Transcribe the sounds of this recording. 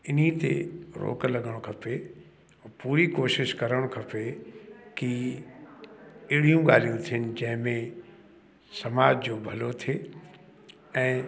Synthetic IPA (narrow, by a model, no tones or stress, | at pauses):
ɪnit̪ḛɾo̰ːklɐɠəɽ̃kʰɐpe | puːɾikoːʃɪʃkɐɾəɽ̃kʰɐpeki | ɪɽ̤ijũɡaːl̤ijũt̪ʰiɪnɪ̆d͡ʑɐ̃ɦɪ̃mẽ | sɐmaːd͡ʑd͡ʑoːbʱɐlot̪ʰeː | ɛ̃ː